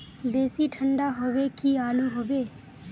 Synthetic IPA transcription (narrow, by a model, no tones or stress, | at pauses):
b̪eːsiʈʰə̃ɳɖaɦoʋekiaːluɦoːʋeː